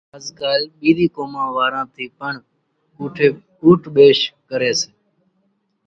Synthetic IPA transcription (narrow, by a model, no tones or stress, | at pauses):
əzkaːlɓiːd̪iːkoːmãːʋaːɾãːt̪ʰiːpəɳ | uːʈʰeː | uːʈʰɓeːʃkəɾeːseː